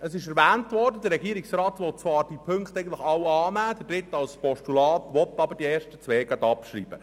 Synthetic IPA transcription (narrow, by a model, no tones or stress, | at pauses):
əsɪʃɛɾʋæːntʋɔɾdəd̪əɾɛɡiːɾiksrɑːt̪ʋɔt̚t͡sʋɑːɾd̥ipʰɵŋkt̪ɛɪɡənt̪lɪxɑwɑːnæːd̪ədɾɪtːɑlspɔʃtulɑːtʋɔt̪ːɑbəɾd̥ieːɾʃtət͡sʋɛːɡ̥ɑd̪ɑpʃɾḭːb̥ə